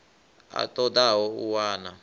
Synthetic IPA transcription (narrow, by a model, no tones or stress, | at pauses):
a̰tʼɔd̪awɔuwaːna